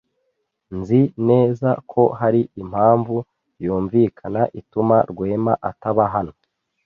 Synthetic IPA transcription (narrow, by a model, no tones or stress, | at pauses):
nzine̞ːzakʰo̞ɦaɾiʔim̥haːɱvu | juːɱvikʰanaʔitumaɾɡwe̞ːmaʔataβaɦano̞